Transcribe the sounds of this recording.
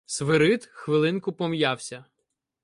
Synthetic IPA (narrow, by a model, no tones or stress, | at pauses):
sʋɪɾɪt̪xʋɪlˠɪnkʊpɔmjawsʲɐ